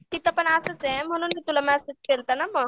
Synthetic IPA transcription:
k̪it̪əpəɳasət͡sɛ̃m̤əɽ̃uːnit̪ulamasit͡skelt̪anaməɡ

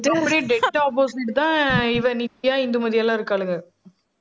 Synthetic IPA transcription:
ɛppːɐɽiɖeʈːaɔːpoːsɪʈt̪ãːɪʋɐnɪɪjaːɪnd̪ɯmɐðɪjaːlːãːɪɾɯkːaːɭɯŋɡɐ

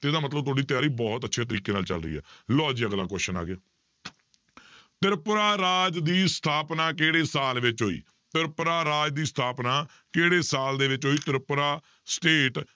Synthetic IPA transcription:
t̪eːɪd̪aːmət̪ləbt̪ʊoːɖiːt̪jaːɾiːbɔːt̪ətːʃʰeːt̪̬əɾiːkeːnaːlt͡ʃə̰lɾə̰iːɦɛ̰ːlɔːd͡ʒiːəɡlã̰ːkɔʃəna̰ːɡeaː | t̪ɪɾpɾaːɾaːd͡ʒd̪iːst̪ʰaːpnãːkeːɽeːsaːlʋɪt͡ʃɦoːḭː | t̪ɪɾpɾaːɾaːd͡ʒd̪iːst̪ʰaːpnaː | keːɽeːsaːld̪eːʋɪt͡ʃɦoːiːt̪ɪɾpɾaː | sʈeːʈ

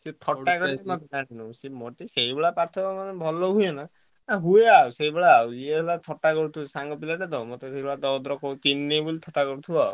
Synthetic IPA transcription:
set̪ʰɔʈːakɔɾiimɔt̪aɽinusemoʈiseibeɭapaɾt̪ʰɔbamanebʱɔlɔɦujana | aɦueawseibeɭaːwiebʱelat̪ʰɔʈakɔɽut̪ʰusaŋɡɔpilaʈed̪ɔwmɔt̪ɔseibeɭad̪ɔd̪ɾɔkɔkinːebulit̪ʰɔʈakɔɾut̪ʰua̰u

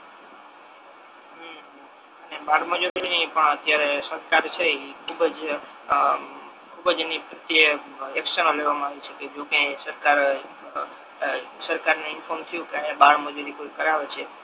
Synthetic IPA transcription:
ənebaɽməd͡ʒuɾinipəɳət̪jaɾesəɾkaɾt͡ʃʰekʰubəd͡ʒ | kʰubəd͡ʒenipɾət̪jəeksənoleʋamãaʋiʃʰəked͡ʒokesəɾkaɾ | səɾkaɾneɪnfoɾmt̪ʰəjũkeaebaɽməd͡ʒuɾikʰoikəɾaʋet͡ʃʰe

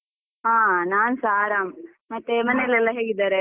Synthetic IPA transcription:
ɦãːnaːnsaːɾaːm | mɐt̪ːemɐnelɛlːɐɦeːɡid̪aːɾe

